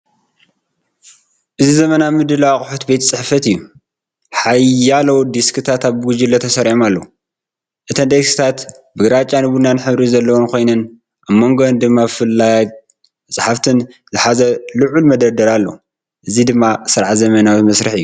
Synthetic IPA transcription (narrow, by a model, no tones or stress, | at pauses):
ʔɨzizɐmɐnamɨd̪ɨlawakʼʊħut̪bet̪ʰt͡sʼɨħfɐt̪ɨjːu | ħajalɐwd̪iskʰɨt̪ʰat̪aβbɨɡud͡ʒilːɐt̪ʰɐsɐɾʕomalːɐwu | ʔɨt̪ʰɐnd̪eksi̥t̪ʰat̪ | bɨɡɾat͡ʃʼːanɨbunanħɨβɾizɐlːɐwonkʰo̞jnɐn | ʔaβmːoŋɡond̪ɨmːabfɨlːaja | t͡sʼɨħaft̪ʰɨnzɨħazɐlɨʕulmɐd̪ɐɾd̪ɐɾalːo̰ | ʔɨzid̪ɨmːasɨɾʕazɐmɐnawt̪mɐsɾɨħɨjːu